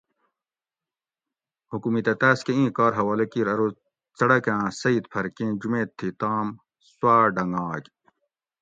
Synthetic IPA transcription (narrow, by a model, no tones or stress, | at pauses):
hukumit̪ɐt̪aːskeĩːkɑːɾɦɐwaːlɐkiːɾɐɾo | t͡sɐɽɐkãːsɐit̪pʰɐɾkẽːd͡ʑumẽːt̪ʰːit̪aːm | swaːɖɐŋaːɡ